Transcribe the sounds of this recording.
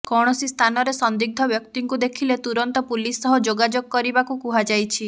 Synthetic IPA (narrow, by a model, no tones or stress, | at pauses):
kɔɽ̃ɔsist̪ʰanɔɾesɔnd̪iɡ̚d̪ʱɔbjɔkt̪iŋkud̪ekʰilet̪uɾɔnt̪ɔpulisːɔɦɔd͡ʒoɡad͡ʒoɡɔkɔɾibakukuɦad͡ʒajt͡ʃʰi